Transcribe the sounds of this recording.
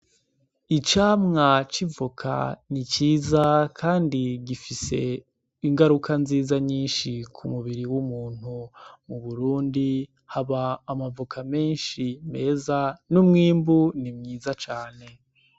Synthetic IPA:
it͡ʃaːmŋat͡ʃivukʰa̰nit͡ʃiːzakʰaːndiɡifise̞ | iŋɡaɾukʰanziːzaɲiːnʃikʰumuβiɾiwumuːn̥humuβuɾuːndi | haβaːmavukʰame̞ːnʃime̞ːzanumŋiːmbunimɲiːzat͡ʃaːne̞

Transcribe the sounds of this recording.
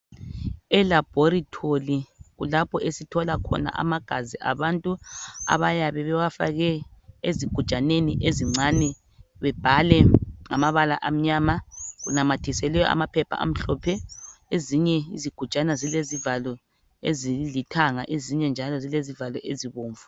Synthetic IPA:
ɛlab̥ʱoɾitʰoliɣulapʰɔʔesitʰɔlakʰɔ̰na̰ʔa̰maɡ̥ʱaziʔa̰βantʼua̰βajaβɛβɛwafa̰ɣɛeziɡ̥ʱud̥t͡ʃʼaneniʔeziŋ͡ǀanɛ | βɛb̥ʱalɛŋamaβalaʔam̩ɲaːmaɣunamatʰisɛlɛjɔ̰ʔa̰mapʰɛpʰa̰ʔa̰m̩ɬɔpʰɛeziɲɛiziɡ̥ʱu̥t͡ʃʼanazilezivalɔ | ezilitʰaŋa̰ʔeziɲɛnd͡ʒʱalɔzilezivalɔʔeziβoːɱvu

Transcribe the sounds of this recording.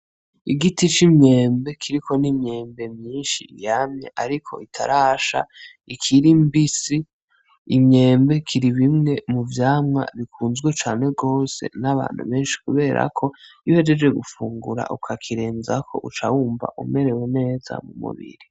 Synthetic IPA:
iɡitit͡ʃimɲe̞ːmbe̞kʰiɾikʰo̞nimɲe̞ːmbe̞mɲiːnʃḭjamɲḛʔaɾikʰo̞̰ʔitʰa̰ɾaːʃa̰ | ikʰiɾimbisiː | mɲe̞ːmbe̞kʰiɾiβimŋe̞muvjaːmŋa̰βikʰuːnzɡwet͡ʃaːne̞ɡo̞ːse̞̰naβa̰ːnhṵβe̞ːnʃi̥kuβe̞ːɾʔa̰kʰo̞ihe̞d͡ʒed͡ʒwe̞ɡufuːŋɡuɾa̰ʔukʰakʰiɾeːnzakʰo̞̰ʔut͡ʃawuːmva̰ʔume̞ɾe̞wene̞ːza̰mumṵβḭɾi

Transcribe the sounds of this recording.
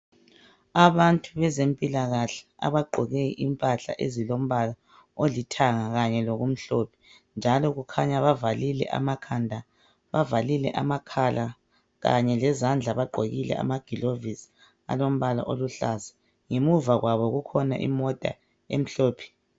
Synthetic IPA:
aβantʼuβɛzempʼilaɣaɬɛ̥a̰βaɡ͡ǃʱɔɣɛʔimpʼaɬa̰ʔezilom̩βala | olitʰaŋaɣaɲɛloɣum̩ɬoːpʰi̥ | nd͡ʒʱalɔɣukʰaɲaβavalilɛ̰ʔa̰makʰandʱa | βavalilɛ̰ʔa̰makʰala | ɣa̰ɲɛlɛzand͡ɮʱaβaɡ͡ǃʱoɣilɛ̰ʔa̰maɡ̥ʱilovis | a̰lom̩βala̰ʔoluɬazɛ | ŋemuvaɣwaβɔɣukʰɔna̰ʔḭmɔtʼa̰ | ḛm̩ɬoːpʰi̥

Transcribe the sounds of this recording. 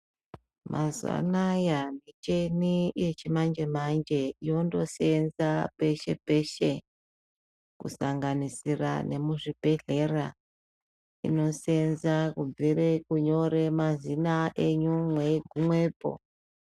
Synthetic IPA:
mʔazwa̰najanit͡ʃe̞nijet͡ʃimand͡ʒe̞mand͡ʒe̞ijo̞ndo̞senzape̞ʃe̞pe̞ʃe | kṵsaŋɡanisira̰ne̞muʐibʱe̞ɮe̞ra | ḭno̞se̞nzakub͡virekuɲo̞ɾe̞mazinaʔeɲumwe̞ɡʱumwe̞ːpo̞̰

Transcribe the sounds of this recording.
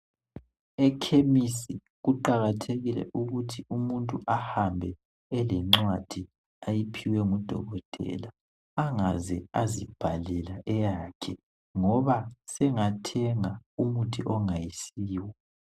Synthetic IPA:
ɛkʰemisi | ɣuǃaɣatʰeɣilɛ̰ʔuɣutʰiumuntʼuʔahambʱɛ | ɛlɛŋ͡ǁwad̥ʱi | ajipʰiwɛŋud̥ʱɔ̰ɣɔtʼɛ̰laː | ŋazɛazib̥ʱalɛlaʔɛjaːkʰɛ | ŋɔβasɛŋatʰɛŋaumutʰiʔɔŋajisiːwɔ

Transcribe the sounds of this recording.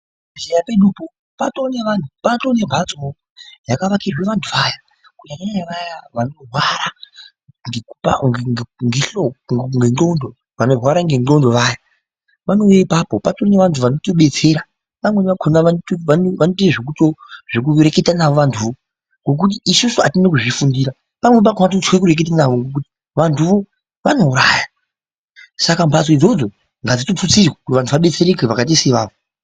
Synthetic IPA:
zejapeɗupo | patoneʋantʰupatonebʱat͡so | jakaʋakirweʋantʰuʋaja | kujakaɲaɲaʋajaʋano̞rwaɾa | ŋɡekupa̰ŋŋŋɡeɬoŋɡeɡondo | ʋano̞rwaɾaŋɡenɡo̞ndo̞ʋaja | pano̞jaipaːpopatoneʋantʰuʋano̞toɓe̞t͡se̞ːɾa | ʋamwe̞ʋakʰonaʋantanʋanotieʐek̬utoʐ̥ekure̞ke̞tanaʋo̞ʋantʰuʋo̞ | ŋɡo̞k̬ut̬iːsusuatinak̬uʐifundiɾa | pamwep̬akʰoat̬ot͡swekuɾe̞k̬et̬anaʋoŋɡok̬uti̥ | ʋantʰuʋo̞ | ʋano̞uɾaːja | sakambʱas̬oid͡zo̞d͡zo̞ | ŋɡad͡zitot͡sut͡sirwakutiʋantʰuʋaɓe̞t͡seɾekeʋakat̬iseʋa̰ːʋo

